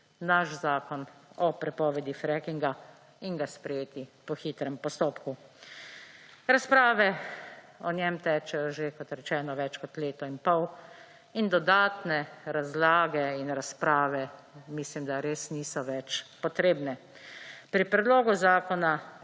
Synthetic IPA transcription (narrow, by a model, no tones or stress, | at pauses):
naʃzaːkɔnɔpɾɛpɔːʋɛd̪ifɾɛkiŋɡa | iŋɡaspɾɛjeːt̪ipɔxiːt̪ɾɛmpɔst̪oːpku | ɾaspɾaːʋɛ | ɔnjɛmt̪ɛːt͡ʃɛjɔʒekɔt̪ɾɛt͡ʃɛːnɔʋɛt͡ʃkɔt̪leːt̪ɔinpɔw | ind̪ɔd̪aːt̪nɛɾazlaːɡɛinɾaspɾaːʋɛ | mislimd̪aɾeːsniːsɔʋɛt͡ʃpɔt̪ɾeːbnɛ | pɾipɾɛd̪loːɡuzaːkɔna